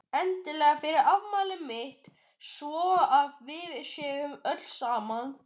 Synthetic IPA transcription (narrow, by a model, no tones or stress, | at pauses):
ɛnt̪ɪlɛːɣafɪɾɪɾavmaːlɪmɪht̪ | svɔːʔavːɪvɪɾsɛːɣʏmœt̪lsaːman